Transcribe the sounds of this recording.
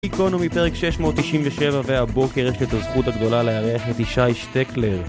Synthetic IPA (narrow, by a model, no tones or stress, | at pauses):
ikonomipe̞ʁekʃe̞ʃmo̞ːt̪ːiʃimveʃevaveabo̞keʁjeʃlet̪azχut̪aɡd̪o̞laleaʁeaχet̪iʃajʃt̪ekleʁ